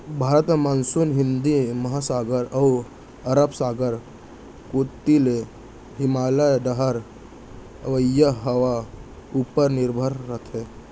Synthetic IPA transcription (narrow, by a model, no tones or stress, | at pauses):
bʱaːɾət̪mansunɦɪnd̪imɐɦasaːɡəɾəw | əɾəbsaːɡəɾ | koːt̪ile | ɦɪmaːləɖəɦəɾ | əʋəjəɦəʋa | uːpəɾnɪɾbʱəɾːət̪ʰe